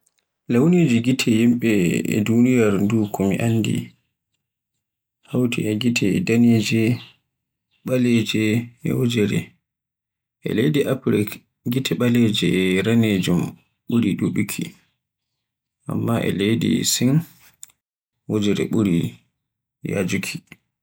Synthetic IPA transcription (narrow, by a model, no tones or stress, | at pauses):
lawned͡ʒiɡitʰɛjimɓɛ̰dunijaɾndukʰɔmiʔanːdḭ | hawtʰiɛɡitʰɛdaneːd͡ʒɛ | ɓalɛd͡ʒɛɛ̰wɔd͡ʒɛɾɛ̰ | ʔɛ̰lejdiʔapɾɛk | ɡitʰɛɓalɛd͡ʒɛɛɾaned͡ʒum | ɓuɾiɗuɓukʰi | ʔa̰mːaʔɛ̰lejdḭsin | wod͡ʒɛɾɛ̰ɓuɾi | ja̰d͡ʒukʰi̥